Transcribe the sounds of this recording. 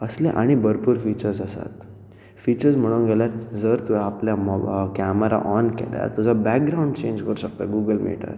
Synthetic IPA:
əslẽʔaɽ̃ibəɾpuːɾfit͡ɕəɾsəsa̰t̪ | fit͡ɕəɾd͡zm̤əɽ̃uːnɡʱɛljaɾd͡zəɾt̪uɛapljamɔkɛməɾa̰ʔɔnkɛ̰lja̰ɾt̪ud͡zabɛk̚ɡɾauɳɖt͡ɕẽɲd͡ʑkəɾuɕək̚t̪aɡuɡəlmḛʈə̰ɾ

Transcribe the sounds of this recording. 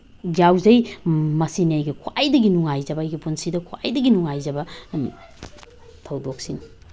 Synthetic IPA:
d͡ʒawzɐjmɐsiniajɡɐkʰwajdɐɡinuŋajzɐbɐːjɡɐpunsidɐkʰwa̰jdɐɡinuŋajzɐbɐ | tʰɐwdok̚sin

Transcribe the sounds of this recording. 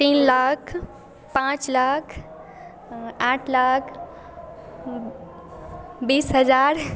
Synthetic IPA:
t̪iːnlaːkʰ | pãt͡ʃlaːkʰ | aːʈʰlaːkʰ | biːsɦəd͡ʒaːɾ

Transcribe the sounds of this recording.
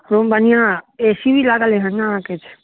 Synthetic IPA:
ɾombənijãesiʋilaɡaleɦə̃nããket͡ʃʰe̥

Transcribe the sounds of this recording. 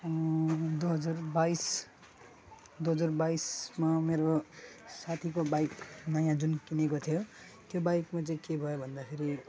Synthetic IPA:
ʌd̪uɦʌd͡zurbais | d̪uɦʌd͡zurbaismameɾosat̪ʰikobajknʌjãd͡zunkinekot̪ʰjo | t̪jobajkmat͡saĩkebʱʌjobʱʌnd̪apʰiɾi

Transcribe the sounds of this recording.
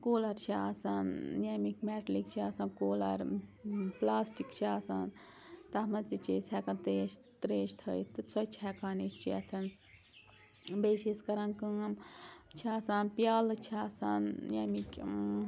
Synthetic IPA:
koːlɐɾt͡ʃʰasaːnjɐmikʲmɛːʈlikt͡ʃʰiaːsaːnkoːlɐ̰ɾ | plaːsʈikt͡ʃʰaːsa̰ːn | t̪ɐmɐnt̪it͡ʃʰisʲʰɛkɐnt̪eʃ | t̪ɾeːʃt̪ʰəjt̪ɨt͡sʰɔt͡ʃʰɦɛkaːnet͡ʃt͡ʃʰiɐ̰t̪ʰɐn | beːʃiskɐɾɐnkɨŋɐmt͡ʃʰaːsaːnpjaːlɨt͡ʃʰaːsaːnjɐmikʲ

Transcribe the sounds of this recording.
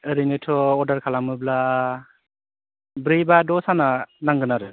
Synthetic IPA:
ɯɾinitʰɔːdaɾkʰalamɯbla | bɾɯjbadɔsananaŋɡɯnaɾɯ

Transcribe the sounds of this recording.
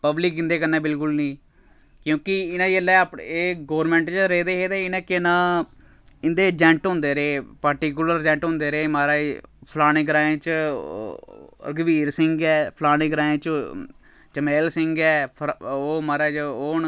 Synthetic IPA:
pəblɪkɪnd̪eːkənːeːbɪlkʊlnĩː | kjõːkɪɪnãːd͡ʒəlːɛːpeːɡoːɾmɛ̃ːɳʈt͡ʃɾeːd̪eːɦeːd̪eːɪnãːkɪnãː | ɪnd̪eːd͡ʒɛ̃ːɳʈɦʊ̃ːnd̪eːɾeːpəɾʈiːk̬jʊləɾd͡ʒɛ̃ːɳʈɦʊ̃nd̪eːɾeːmaːɾaːpʰlaːnẽːɡɾaːẽːt͡ʃ | ɾɡəʋiːɾsɪŋɡɛːpʰlaːɽɪɡɾaːẽt͡ʃ | t͡ʃəmeːlsɪŋɡɛːpʰoːmaːɾaːd͡ʒoːn

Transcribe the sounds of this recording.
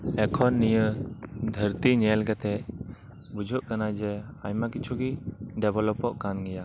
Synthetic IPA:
ɛkʰɔnːijəd̪ʱəɾt̪iɲɛlɡɛt̪ʰɛ | bud͡ʒʱuʔkanajd͡ʒɛa̰jmakit͡ʃʰuɡiɖɛbʱɔlɔpɔʔkanɡɛja

